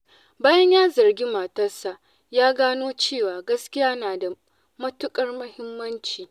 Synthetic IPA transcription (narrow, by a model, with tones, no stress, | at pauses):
baː˦jɐ˦ɲjaː˦zɐ˨rɡʲi˦maː˨tɐ˦rsa˨ʔ | jaː˦ɡaː˦noː˦t͡ʃeː˦˨waː˨ɡɐ˦skʲɪ˦jaː˦naː˨da˨ | mɐ˦tʊ˦kʼɐ˦rmʊ˦hɪ˦mːɐ˦nt͡ʃiː˨